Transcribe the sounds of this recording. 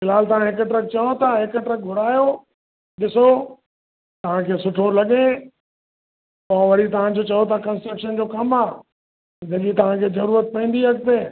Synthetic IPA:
mɪlaːlt̪ɐʋ̤ãɦɪkʈɾək̚t͡ɕɐjot̪ʰaɦɪkəʈɾək̚ɡʱʊɽaːjo | ɗɪso | t̪ɐʋ̤ãkʰeːsʊʈʰolɐɠẽ | pãʋɐɽit̪ɐʋ̤ãd͡ʑot͡ɕɐjot̪ʰakɐ̃nsekʃənd͡ʑoːkɐmaː | sɪ̃nd̪əɠit̪ɐʋ̤ãkʰeːzɐɾuːɾət̪̚pɐ̃ĩːn̆d̪iɦɐk̚t̪eː

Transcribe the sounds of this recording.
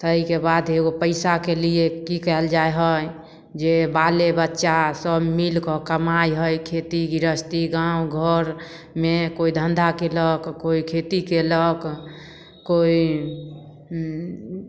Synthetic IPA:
t̪əikebad̪ʱeɡopəɪsakeliekikɛld͡ʒaeɦəj | d͡ʒebalebətːʃasəbmilkɔkəmajɦəjkʰet̪iɡiɾəst̪iɡãuɡʱəɾ | mekoid̪ʱənd̪ʱakeləkkoikʰet̪ikeləɡ | koi

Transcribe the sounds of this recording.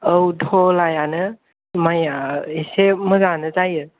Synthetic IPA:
əwdʰʱɔlajanɯ | majaesemɯzanɯzajɯ

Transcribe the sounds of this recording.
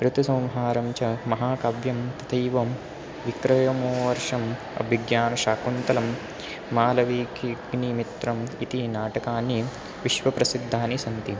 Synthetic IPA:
ɾut̪ɐsɐwmɦaːɾɐmt͡ʃɐmɐɦaːkɐbjɐmt̪ɐt̪ʰɐjʋɐm | ʋikɾɐjɐmoːʋɐɾʂɐm | ɐ̰bʱiɡjaːnɐʃaːkunt̪ɐlɐmː | aːlɐʋiːkiɡnimit̪ɾɐmit̪inaːʈɐkaːnːi | ʋiʃʋɐpɾɐsid̪ʱːaːnisɐnt̪i

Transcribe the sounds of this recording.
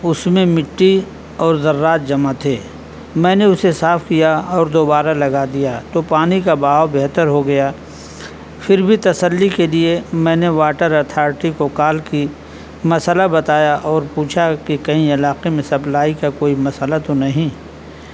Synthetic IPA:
ʊsmẽmɪʈːi | ɔːɾzɐɾːaːt̪̚d͡ʒɐmat̪ʰeː | mɛ̃ːneʊsesaːfʰkijaɔːɾd̪oːbaːɾalɐɡad̪ijat̪opaːnikabaːwbeɦt̪əɾɦoɡɐjaː | fʰɪɾbʱit̪ɐsəlːikeliemɛ̃ːneʋaːʈəɾɐɾt̪ʰaːɾʈikokaːlki | mɐsəlabɐt̪aːjaʔɔːɾpuːt͡ʃʰakikɐɦĩɪlaːqemẽsɐplaːikakoːimɐsəlat̪onɐɦĩ

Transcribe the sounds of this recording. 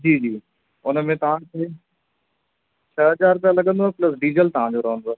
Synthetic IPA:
d͡ʑiːd͡ʑiː | ʊnəmẽt̪ɐʋ̤ãkʰeː | t͡ɕʰəɦɐzaːɾt̪ãlɐɠə̃nd̪oplɐs̬ɖiːzəlt̪ɐʋ̤ãd͡ʑoɾɐɦə̃nd̪o

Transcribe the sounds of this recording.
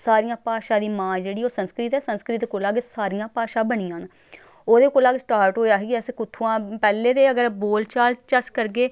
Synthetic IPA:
saːɾijãːpaːʃãːd̪iːmãːd͡ʒeːɽiːoːsənskɾɪt̪ɛːsənskɾɪt̪koːlaːɡsaːɾijãːpaːʃãːbəɳiːãːn | oːd̪eːkoːlaːɡsʈaːɾʈɦoːeaːɦeɡiəskʊt̪ʰːuːãːpɛːleːt̪eːəɡəɾboːlt͡ʃaːlt͡ʃəskəɾɡeː

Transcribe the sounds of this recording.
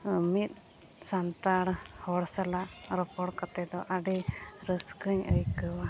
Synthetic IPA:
mit̪̚ˀ | sant̪aɽhɔɽsalaɾɔpɔɽkat̪ɛd̪ɔʔaɖɛɾəskəɲə̰jkəwa

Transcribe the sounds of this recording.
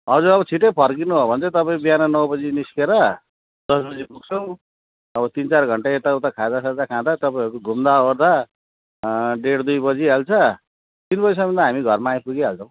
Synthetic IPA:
ɦʌd͡zuɾʌβʌt͡sʰiʈepʰʌrkinuɦobʱʌnt͡sʌt̪ʌpaĩbiɦanʌnʌwbʌd͡ziniskeɾʌ | d̪̥ʌsbʌd͡zibuɡ̚t͡sʰʌw̃ | ʌbʌt̪int͡sarɡʱʌɳʈaet̪aut̪akʰãd̪asad̪akʰãd̪at̪ʌpaĩʌɾukoɡʱumd̪aoɾd̪a | ɖeɽd̪ujbʌd͡ziɦalt͡sʰʌ | t̪inbʌd͡zisʌmʌ̃nd̪aɦamiɡʱʌrmaːj̃puɡiɦalt͡sʰʌ̃w̃

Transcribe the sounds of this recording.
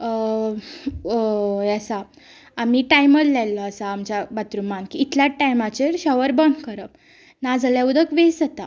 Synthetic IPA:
jasaː | miʈajməllalːɔasaːmt͡ɕabat̪ɾumankiːt̪ljaʈajmat͡ɕeɾɕəʋəɾbənɡkəɾəp̚ | nad͡zəljaud̪əkʋesət̪a

